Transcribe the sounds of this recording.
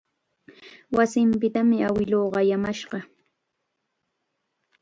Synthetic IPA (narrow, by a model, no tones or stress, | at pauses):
wasɪmpɪt̪amɪawɪloːɢɑjamaʃɢɑ